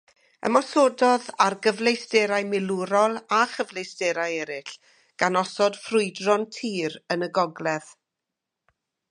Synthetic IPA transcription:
ə̰mɔsoːdɔðarɡəvlejsd̥ɛɾajmɪluɾɔlˠaχəvlejsdɛɾajɛɾɪɬ | ɡ̥anɔsɔd̥frʊɨdrɔntʰiːɾənəɡɔɡlɛð̥

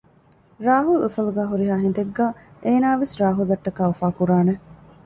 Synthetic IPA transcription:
ɾaːɦulufɐluɡæːɦuɾiɦaːɦind̪eɡːaːʔeːnaːʋesɾaːɦulɐʈːɐkaːufaːkuɾaːne

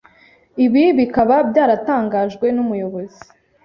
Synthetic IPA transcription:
iβiβikaβabɟaːɾataːŋɡaːʒɡwe̞numujo̞βo̞zi

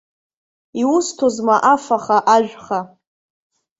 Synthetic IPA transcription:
iwustʰozmaʔafaχaʔaʒᶣʷχa

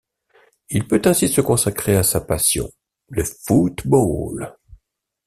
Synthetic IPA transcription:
ilpøt̪ɛ̃sisəkɔ̃sakχeasapasjɔ̰̃ | ləfut̪bol

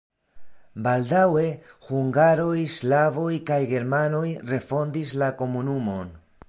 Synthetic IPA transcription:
baldawe̞huŋɡaɾo̞jslavo̞jkajɡe̞ɾmano̞jre̞fo̞ndislako̞munumo̞n

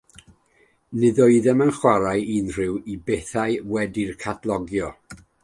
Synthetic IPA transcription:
nɨðɔɨðɛmənχwaɾaɨiːnr̥ɪwibeθaɨwɛdirkʰatʰlˠɔɡjɔ

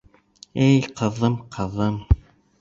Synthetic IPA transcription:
ɘjqɤ̆ðɤmqʰɤ̆ðɤm

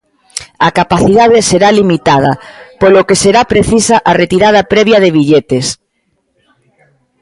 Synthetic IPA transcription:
akapaθiðað̞eseɾalimit̪að̞ɐ̰polokeseɾapɾeθisaʔaret̪iɾað̞ɐpɾɛβ̞jaðeβ̞iʎet̪es

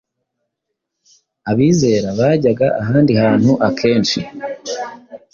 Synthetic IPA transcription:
aβiːze̞ːɾaβaːɟaɡaʔaɦaːndihaːn̥huʔakʰe̞ːnʃi

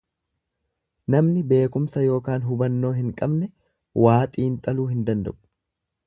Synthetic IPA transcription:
nɐmnɪbe̞ːkʊmsɐjo̞ːkaːnɦʊbɐnːo̞ːɦɪŋkʼɐbnɛ | waːt̪ʼiːnt̪ʼɐluːɦɪnd̪ɐnd̪ɐ̰ʔʊ̥

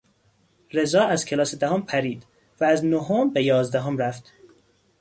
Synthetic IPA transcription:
ɾe̞zɒːæz̥cʰe̞lɒːsed̪æɦompʰæɾiːd̪̥ | væːznoɦombejɒːzd̪æɦomɾæft̪

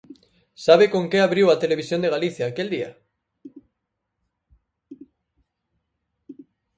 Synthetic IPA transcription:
saβ̞ekoŋkeaβ̞ɾiwat̪eleβ̞isjo̞nd̪eɣaliθjaːkeld̪ia̰

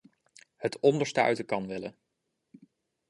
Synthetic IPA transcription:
hətɔndəɹstœ̰ɥtəkɑnʋɪlə

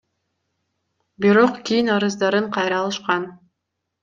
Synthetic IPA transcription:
biɾo̞qkʲijinɑɾɯzd̪ɑɾɯɴqʰɑjɾɑlˠɯʃqɑn

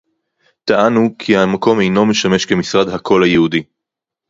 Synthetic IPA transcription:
t̪aʔanukʰiamako̞me̞jno̞meʃame̞ʃke̞misʁadhakʰo̞lhajehudi

